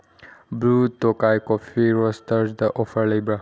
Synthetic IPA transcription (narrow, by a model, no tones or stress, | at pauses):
blutokajkɔfiɾɔstəɾsd̪əʔɔfəɾlejbɾa